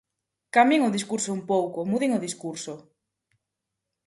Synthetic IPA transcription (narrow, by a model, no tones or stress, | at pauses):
kameŋʊðiskuɾsoumpowkʊmuðeŋʊðiskuɾsʊ